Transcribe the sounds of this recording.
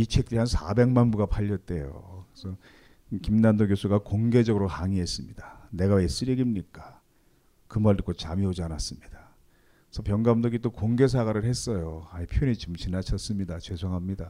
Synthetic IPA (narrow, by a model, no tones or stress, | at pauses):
it͡ɕʰe̞k̚t͈ɯɾiɦansʰa̰be̞ŋmanbuɡapʰaʎːʌt̚t͈e̞jo̰kesʰʌ | kimnandoɡjosʰuɡakoŋɡe̞d͡ʑʌɡɯɾohaŋie̞s͈ɯmɲidane̞ɡaes͈ɯɾiɡimɲik͈ḁ | kɯmaɭdɯk͈ot͡ɕamiod͡ʑianas͈ɯmɲid̥a | sʰʌpjʌŋɡamdoɡit͈okoŋɡe̞s̬ʰaɡaɾɯɭhe̞s͈ʌjoaipʰjoonit͡ɕimt͡ɕinat͡ɕʰʌs͈ɯmɲidat͡ɕesʰoŋɦamɲida